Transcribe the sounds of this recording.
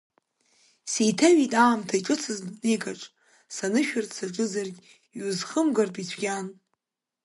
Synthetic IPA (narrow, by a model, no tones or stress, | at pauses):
sejtʰaɥitʼaːmtʰaiʈ͡ʂʼɨt͡sʰɨznejkʼaʈ͡ʂʼ | sanɨʃᶣartʰʼsaʈ͡ʂʼɨzarɡʲ | iuzχəmɡartʼit͡sʷʰɡʲan